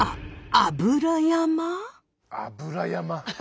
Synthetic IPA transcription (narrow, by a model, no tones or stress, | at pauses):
aabɯɾajama | a̰buɾajama